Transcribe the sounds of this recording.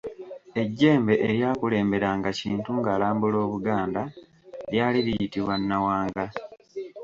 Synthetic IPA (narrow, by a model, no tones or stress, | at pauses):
e̞ɟːe̞ːmbe̞ʔeɾjaːkule̞ːmbe̞ɾaŋɡaciːntuŋɡaːlaːmbulo̞ːβuɡaːnda | ljaːliɾijitiβwanːawaːŋɡa